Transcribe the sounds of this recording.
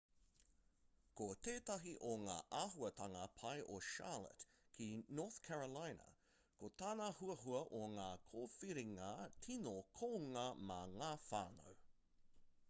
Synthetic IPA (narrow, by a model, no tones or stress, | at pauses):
koteːtɐɦiʔoŋa̰ːʔaːɦuɐtɐŋɐpʰɐjʔoʃa̰lə̰t | kʰinoːθkʰɛɹəlajnɐ̰ | kot̪aːnɐhuɐɦuɐʔoŋaːkʰoːfiɾiŋɐtʰinokʰoːŋɐmaŋaːfa̰ːno̰w